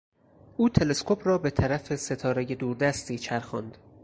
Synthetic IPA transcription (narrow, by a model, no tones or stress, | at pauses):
ʔuːt̪ʰe̞le̞skʰo̞pʰɾɒːbe̞t̪ʰæɾæfe̞se̞t̪ʰɒːɾe̞je̞d̪uːɾd̪æst̪iːt͡ʃʰæɾxɒ̰nd̪̥